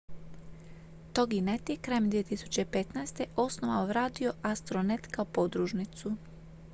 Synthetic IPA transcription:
t̪oɡinet̪jekɾaːjemd̪ʋie̞t̪isu̥t͡ɕe̞pet̪naest̪e̞ʔo̞snoʋaoʋɾaːd̪io̞ʔast̪ɾonet̪kaopod̪ɾuʒnit̪su

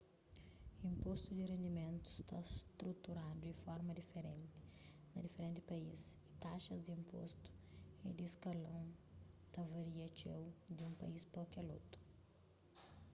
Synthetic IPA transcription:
ĩmpost̪ʊd̪ɪrẽnd̪imẽnt̪ʊɪst̪a̰st̪ɾut̪uɾad̪ʊd̪ɪfɔɾmɐd̪ifeɾẽnt̪ɪ̥ | nɐd̪ifeɾẽnt̪ɪ̥paisɪ̥t̪aʃɐzd̪ɪĩmpo̰st̪ʊ̥ɛd̪ɪskalɐ̃w̃t̪ɐvaɾiɐt͡ʃewd̪ɪũpa̰ispokɐlo̰t̪ʊ̥

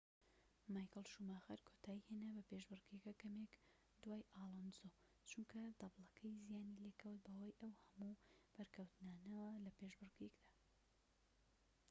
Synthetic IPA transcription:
maːjkɨlˠʃumaːxɐɾkʰoːt̪ʰaːjihenɐbɐpeʒbɨrɡikɐkɐmek | d̪waːjʔaɑːlˠɐnzo | t͡ʃunkʰɐd̪ɐblˠɐkʰɐjzijaːnilekʰɐwt̪̚bɐwajʔɐwhɐmub̥ɐɾkʰɐwt̪naːnɐlɐpeʒbɨrɡekd̪ḁː

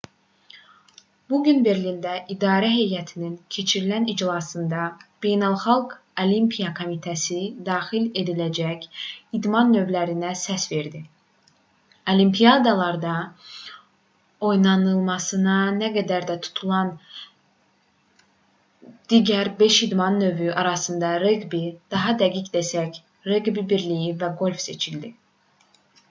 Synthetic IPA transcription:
buɟynbe̞ɾlind̪æʔid̪ɑːɾæɦe̞jæt̪ʰinincʰe̞t͡ʃʰiɾilænid͡ʒlˠɑsɯnd̪ɑb̥e̞jnɑlˠχɑlˠɡ | olimpʰijɑkʰo̞mit̪ʰæsid̪ɑːxile̞d̪ilæd͡ʒæcid̪mɑnːø̞vlæɾinæsæsve̞ɾd̪i | olimpʰijɑd̪ɑlˠɑɾd̪ɑ | o̞jnɑnɯlˠmɑsɯnɑnæɡæd̪æɾd̪æt̪ʰu̥t̪ʰulˠɑn | d̪̥iɟæɾbe̞ʃid̪mɑnːø̞vyʔɑɾɑsɯnd̪ɑɾeɡbid̪̥ɑɦɑd̪æɡicd̪esæc | ɾeɡbibiɾlijivæɡo̞lʲfse̞t͡ʃʰild̪i

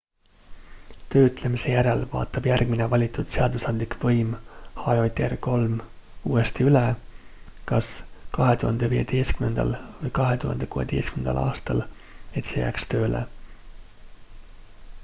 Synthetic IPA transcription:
t̪ø̞ːyt̪ˑle̞mise̞jæɾe̞lvɑ̰ːt̪ːˑɑb̥jærɡ̥minevɑlʲit̪ˑːud̪̥se̞ɑd̪̥usɑnd̪likvɤjmhɑjo̞jt̪e̞rko̞lm | uːe̞st̪iyle | kɑskɑɦe̞t̪uhɑnd̪̥e̞viːḛd̪̥e̞jskymne̞nd̪ɑ̰lvɯjkɑɦe̞t̪uhɑ̰nd̪̥e̞kuːhe̞̰d̪̥e̞jskymnend̪̥ɑ̰lʔɑ̰ːst̪ɑl | e̞t̪se̞jæ̰ːkst̪ø̞ːlḛ

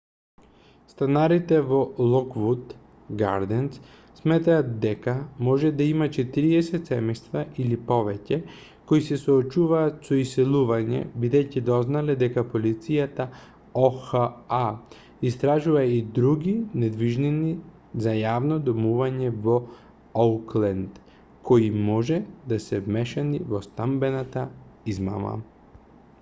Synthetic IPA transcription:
st̪anaɾit̪ɛvɔlˠɔkvut̪ | ɡa̰ɾd̪ɛns | smɛt̪aːt̪d̪ɛkamɔʒɛd̪aimat͡ʃɛt̪iɾiɛsɛt̪sɛmɛjst̪vaʔilipɔvɛcɛ | koisɛsɔːt͡ʃuvaːt̪sɔisɛlˠuvaɲɛ̰bid̪ɛjcid̪ɔznalɛd̪ɛkapolit̪sijat̪a | oxaa | ist̪ɾaʒuvaid̪ɾuɡinɛd̪viʒnini | zajavnɔd̪ɔmuvaɲɛvɔ | olklɛnd̪ | kɔimɔʒɛd̪asɛvmɛʃanivɔst̪ambɛnat̪aizma̰ma̰

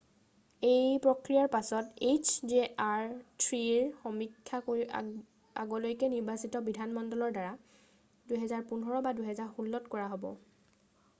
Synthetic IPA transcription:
ejpɹɔkɹijaɹpasɔtet͡ʃʰzeʔaɹtʰɹiɹxɔmikʰːakoi | a̰ɡɔlojkɛniɹbasitɔbidʱanmɔndɔlɔɹdaɹa | duɦɛzaɹpunɔɹɔbadujɦɛzaɹxulːɔtkɔɹaɦobɔ̰

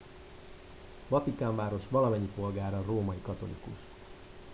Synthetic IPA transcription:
vɒt̪ikaːɱvaːɾo̞ʃʋɒlɒmɛɲːipo̞lɡaːɾɒroːmɒikɒt̪o̞̰lḭkṵʃ

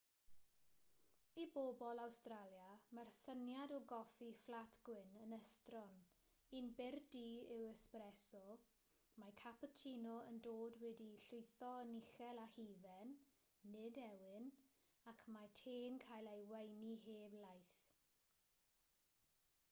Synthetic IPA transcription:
ibobɔlˠawstralˠjamarsənjadɔɡɔfiflˠatʰɡ̥wɪnənəstrɔn | inbɪrdiːɪwəsprɛsɔ | makʰapɔtʰinɔəndoːdwɛdiɬʊjθɔəniχɛlˠahivɛnː | ɪdɛwɪn | akʰmatʰeːnkʰajlˠejwejniɦeːblˠajθ

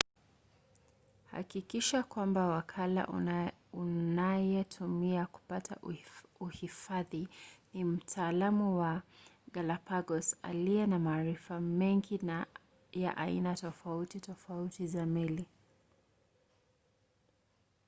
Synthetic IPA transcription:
ha̰kikiʃakwambawakʰala̰unajɛtʰumiaku̥patʰa̰uhifaðinim̩tʰaːlamuwaɡalapaɡɔsa̰liɛnamaːɾifamɛŋɡina | ja̰ʔainatɔfautitɔfautizamili

